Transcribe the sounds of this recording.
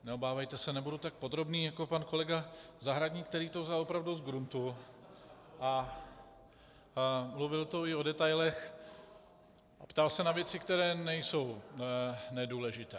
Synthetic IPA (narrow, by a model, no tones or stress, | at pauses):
nɛobaːvɛjt̪ɛsɛnɛbudut̪ak̚po̞d̪ɾo̞bniːjako̞panko̞lɛɡazaɦɾadɲiːk̚t̪ɛɾiːt̪ozalo̞pɾavduzɡɾunt̪u | ʔa | mluvɪlt̪o̞ɪo̞dɛt̪ajlɛx | ʔapt̪alsɛnavjɛt͡sɪkt̪ɛɾɛːnɛjso̞w | nɛduːlɛʒɪt̪ɛː